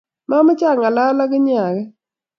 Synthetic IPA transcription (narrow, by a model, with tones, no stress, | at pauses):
ma˦mɔ˦t͡ʃa˦˨ŋa˨la˦la˦ɡɪ˦ɲ˦a˨ɡɛ˦